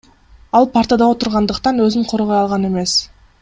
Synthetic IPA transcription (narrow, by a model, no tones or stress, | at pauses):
ɑlˠpʰaɾt̪əd̪ɑo̞t̪ʊɾʁɑnd̪əqt̪ɑnøzyɴqʰoɾʁojɑlˠʁɑne̞me̞s